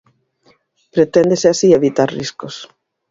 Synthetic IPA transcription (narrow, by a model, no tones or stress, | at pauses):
pɾet̪end̪eseasieβit̪aɾriskos